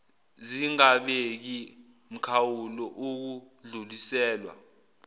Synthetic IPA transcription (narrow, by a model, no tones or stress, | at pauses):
ziŋaɓek̬i | m̩kʰawulɔʔuk̬u | ɮulisɛːlwa̰